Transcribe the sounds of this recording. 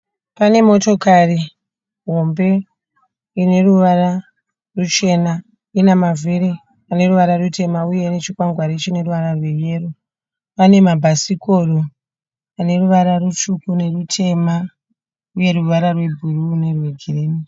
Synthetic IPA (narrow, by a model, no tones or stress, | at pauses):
pane̞mo̞to̞kari | ɦo̞mbe̞ | ine̞ruʋara | rut͡ʃe̞na | inamaviɾi | ane̞ruʋaɾarute̞mauje̞net͡ʃikwaŋɡwaɾit͡ʃine̞ruʋaɾarwe̞jeːro | pane̞mabʱasikoru | ane̞ruʋaɾarut͡ʃukune̞rutʰe̞ma | uje̞ɾuʋaɾarwe̞bʱuruːne̞rweɡʱireːmi